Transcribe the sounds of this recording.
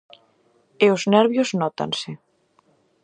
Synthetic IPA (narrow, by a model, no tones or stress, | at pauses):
eʊznɛɾβjoznɔt̪a̰nsɪ